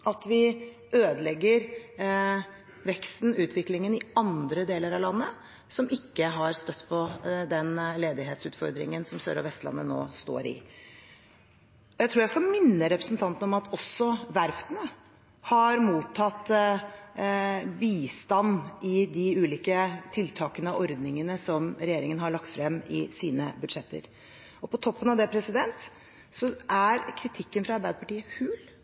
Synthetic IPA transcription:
ʔɑt̪ʋɪ | øːd̪əlɛɡːəɾ | ʋɛkst̪n̩ʉːt̪ʰʋɪklɪŋənɪɑnd̪ɾəd̪eːləɾɑʋlɑnːə | sɔmɪkːəɦɑɾst̪œt̪ːpʰɔd̪ɛnleːd̪ɪɦeːt̪sʉːt̪fɔɾd̪ɾɪ̰ŋənsɔmsø̰ːɾɔʋɛst̪lɑ̰nːə̰no̰ːst̪o̰ːɾɪ̰ | ɔjæɪt̪ʰuːɾjæskɑmɪnːəɾɛpɾəsn̩t̪ʰɑnt̪n̩ɔmɑt̪ʰɔsːɔʋæɾft̪ənə | hɑɾmuːt̪ʰːɑt̪ː | biːst̪ɑnːɪd̪ɪʉːliːkət̪ʰɪlt̪ʰɑːkənəɑʔɔɾd̪nɪŋənəsɔmɾɛjeːɾɪŋənɦhɑɭɑkt̪fɾɛmːɪ̰siːnəbʉd̪ʂɛt̪ːə̰ɾ | ɔpʰɔt̪ʰɔpːənɑʋd̪ɛpʰɾɛsɪd̪ɛnt̪ | sɔʔæɾkʰɾɪt̪ʰɪkːənfɾɑɑɾbæɪd̪əpɑʈiːəhʉːl

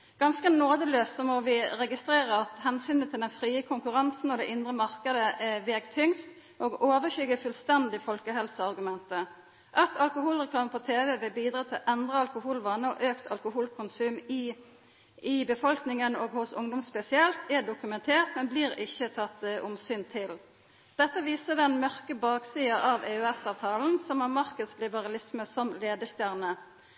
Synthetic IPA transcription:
ɡ̥ɑnskənoːd̪əløːst̪sɔmɔʋɪɾɛɡɪst̪ɾeːʁəɑt̪hɛnsyːnət̪ʰɪld̪ɛnfʁiːəkʰʊŋkʉɾɑnsn̩ɔd̪ɛʔɪnd̪ɾʁəmɑʁkəd̪əʔɛʋeːɡt̪ʰʏŋst̪ | ʔoːɡoːʋəçʏɡəfʉlst̪ɛnd̪ɪfɔlkəɦɛlsəɑʁɡʉmɛnt̪ə | ʔɑt̪ʰːɑlkʊhuːlʁɛklɑːməpʰɔt̪ʰeːʋɛʋɪlbiːd̪ɾɑːt̪ʰɪlʔɛnd̪ʁəɑlkʊhuːlʋɑnːəɔʔøːkt̪ʰɑlkʊhuːlkʰʊnsʉːmi | ɪbəfɔlknɪŋənoːɡhʊsʊ̰ŋd̪ʊmspɛsɪɛlt̪ʰɛɖʊkʉmɛnt̪ʰeːʁt̪mɛnbliːɾɪçːət̪ʰɑt̪ːʔʊmsyːnt̪ʰɪl | d̪̥ɛt̪ːəʋiːsəd̪ɛnmœʁkəbɑːksiːɑʔɑʋɛʉɛsɑːʋt̪ʰɑːln̩sɔmɑʁmɑʁkəslɪbəʁɑlɪsməsɔmleːd̪əst̪jæʁnə

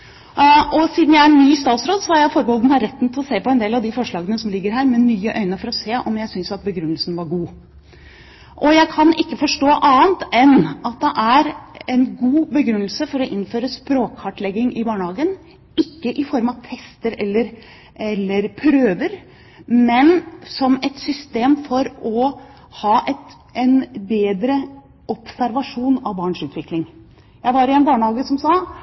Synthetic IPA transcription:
ɔsiːd̪n̩jæɪæɾɛnːyːst̪ɑːt̪sɾoːd̪sɔhɑɾjæɪfɔɾbəhɔld̪nhɑɾɛt̪ːnt̪ʰɪlɔseːpɔɛnd̪eːlɑʋd̪ɪfɔʂɭɑːɡənəsɔmlɪɡːəɾɦæːɾmɛnyːəʔœʏnəfɔɾɔseːʔɔmjæɪsʏnsɑt̪̚bəɡɾʉnːəlsn̩ʋɑɾɡuː | ʔɔjæɪkʰɑnɪkːəfɔʂʈoːʔɑːənt̪ɛnɑt̪̚d̪ɛʔæɾɛnɡuːbəɡɾʉnːəlsəfɔɾɔʔɪnːføːɾəspɾoːkhɑʈlɛɡːɪŋʔɪbɑːɳəhɑːɡən | ɪkːəʔɪfɔɾmɑt̪ʰɛst̪əɾɛlːəɾ | ɛlːəɾpʰɾøːʋəɾ | mɛnsɔmɛt̪sʏst̪eːmfɔɾɔ | hɑːʔɛt̪ | ʔɛnbeːd̪ɾə | ɔpsæɾʋɑʂuːnɑʋbɑːɳʂʉːt̪ʋɪklɪŋ | jæɪʋɑɾɪɛnbɑːɳəhɑːɡəsɔmsɑː

